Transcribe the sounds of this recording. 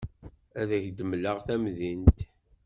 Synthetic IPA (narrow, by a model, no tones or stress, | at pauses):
æðæçd̪əmləʁθæmðint̪